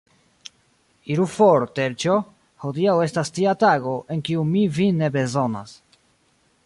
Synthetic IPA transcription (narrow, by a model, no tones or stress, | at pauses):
iɾufoɾt̪eɾt͡ʃo | hodiawe̞stastiataɡo̞ʔe̞ŋkiumivine̞be̞zo̞na̰s